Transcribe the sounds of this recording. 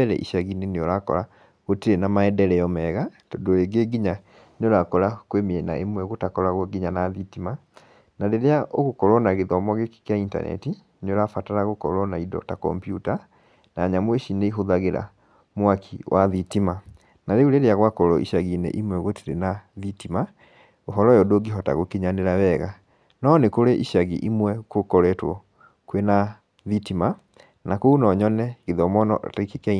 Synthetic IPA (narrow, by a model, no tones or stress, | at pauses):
ɛɾɛ̰ʔḭʃaɣineneoɾakɔ̰ɾa | ɣotiɾenamaɛdɛɾɛjɔmɛɣatɔdoeɡeɡiɲa | neoɾakɔɾakwemiɛna̰ʔemwɛɣotakɔɾaɣwɔɡiɲanaðitima | naɾeɾeaʔoɣokɔɾɔnaɣeðɔmɔɣeki̥kjainta̰nɛ̰ti | neoɾafataɾaɣokɔ̰ɾɔnaidɔ̰takɔ̰mpjuta | naːɲamweʃineiɦoðaɣeɾa̰ | mwakʰiwʔaðitima | naɾeuɾeɾeaɣwakɔɾɔḭʃaɣinḛʔimwɛɣwoteɾenaðitima | oɦɔɾɔjɔdoɡiɦɔta̰ɣokeɲaneɾawɛɣa | nɔnekoɾeʔiʃaɣḭʔimwɛkokɔɾɛtwɔ̰ | kwena | ðitima | nakounɔɲɔnɛɣeðɔmɔnɔ̰tekik